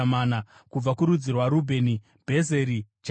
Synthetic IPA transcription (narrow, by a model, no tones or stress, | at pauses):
mana | kub͡vakuɾud͡zirwaɾubʱe̞ni | bʱe̞ze̞ɾid͡ʒ